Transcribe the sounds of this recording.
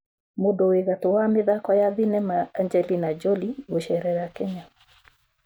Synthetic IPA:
modoweɣatowamɪðakɔjaðinɛmaːɲd͡ʒɛlinad͡ʒɔliwoʃɛɾɛɾakɛɲa

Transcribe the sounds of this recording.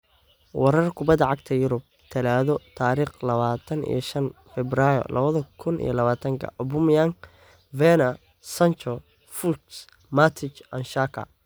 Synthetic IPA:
wɑɾɐrkʰʊbɐd̪ɐʕɑɡt̪ʰɐjʊɾʊb̚t̪ʰɪlaːðɔt̪ʰaːɾiːχlɐβaːt̪ʰɐnḭjɔʃɐnfɛbraːjɔ̰lɐβɐðɐkʰʊnʔḭjɔlɐβaːt̪ʰɐŋkʰɐ̰ʔɔbʊmjaŋ | vɛnɐ | sɐnt͡ʃɔ | fut̪s | mat̪ʰɪt͡ʃɐnʃaːkʰɐ̰

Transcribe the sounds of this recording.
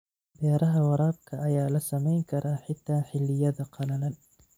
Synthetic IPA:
bɛːɾɐɦɐwɑɾɑːb̚kʰɐʔːjaːlɐsɐmɛjŋkʰɐɾʔaːħɪt̪ʰːaːħɪlːɪjɐðɐqʰɑlɐlɐn

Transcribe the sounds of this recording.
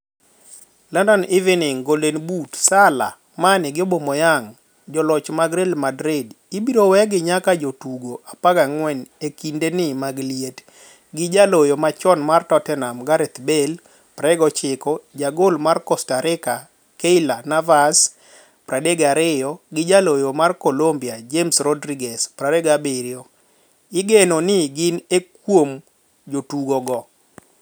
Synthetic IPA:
landɔnɪvɛnɪŋɡolenbutsala̰ | manɪɡɪɔbomɔjaŋ | d͡ʒɔlɔt͡ʃmaɡɾelmadɾɪd | ibiɾowɛɡɪɲakad͡ʒotuɡoʔapaɡaŋwɛnekindenɪmaɡliet | ɡɪd͡ʒalojɔmat͡ʃɔnmartɔtɛnamɡaɾɛt̪bel | pɾɛɡɔt͡ʃɪkɔd͡ʒaɡolmarkɔstaɾɪka | keɪlanavas | pɾadeɡaɾɪjɔɡɪd͡ʒalojomarkolombiad͡ʒemsrɔdɾiɡɛspɾadɛɡabeɾjɔ | ɪɡenonɪɡɪnekwom | d͡ʒotuɡɔɡɔ

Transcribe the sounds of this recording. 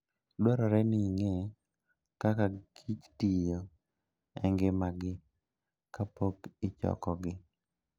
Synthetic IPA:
dwɛɾɔɾɛniŋɛ | kakaɡʰit͡ʃtijo | ɛŋɡɪmaɡɪ | kapokɪt͡ʃɔ̰kɔɡɪ

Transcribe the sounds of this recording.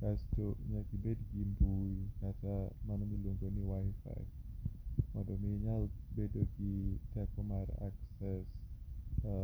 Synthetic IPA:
kasdɔʔɲak̪ibɛdiɡimbuikat̪amanamilɔŋɡɔniwajfa̰j | madɔmiɲalbedɔɡid̪akɔmara̰k̚sɛs

